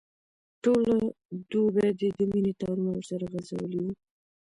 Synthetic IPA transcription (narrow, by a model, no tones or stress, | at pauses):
ʈola | d̪ubɛd̪ed̪əminit̪ɑɾunawəɾsaɾaɣaza̰wə̰liwu